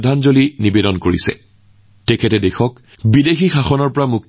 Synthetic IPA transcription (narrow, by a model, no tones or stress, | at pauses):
dʱanzolinibedɔnkoɹḭsɛ̰ | tekʰɛtɛdexɔk | bidexixaxɔnɔɹpɔɹamuk̚